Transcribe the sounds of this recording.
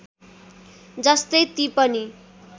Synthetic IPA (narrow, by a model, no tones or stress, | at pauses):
d͡zʌst̪ʌjt̪ipʌni